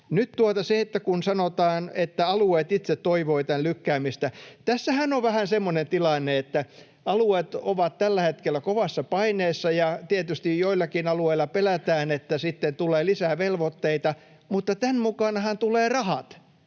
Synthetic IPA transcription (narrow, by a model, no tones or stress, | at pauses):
nyt̪t̪uot̪ɑseet̪ːækunsɑnot̪ɑːnet̪ːæɑlueːt̪it̪set̪tːoiʋoit̪ænlykːæːmist̪æt̪æsːæhænoʋʋæhænsemːonent̪ilɑnːeet̪ːæ | ɑluet̪oʋɑt̪t̪ælːæhet̪kelːˑækoʋɑsːɑpɑineːsːɑjɑt̪iet̪yst̪ijjoilːɑkinɑlueilˑɑpelæt̪æːnet̪ːæsit̪ːent̪uleːlisæːʋelʋot̪ːeit̪ɑ | mut̪ːɑt̪ænmukɑnɑhɑnt̪uleːrɑhɑt̪